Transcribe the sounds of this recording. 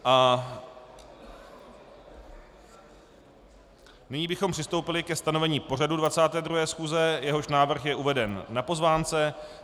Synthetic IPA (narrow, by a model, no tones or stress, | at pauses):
ʔa | nɪɲiːbɪxompr̥ɪst̪o̞wpɪlɪkɛst̪ano̞vɛɲiːpo̞r̝adudvat͡saːt̪ɛːd̪ɾuɦɛːsxuːzɛjɛɦo̞ʃnaːvr̩xjɛʔuvɛdɛnːapo̞zvaːnt͡sɛ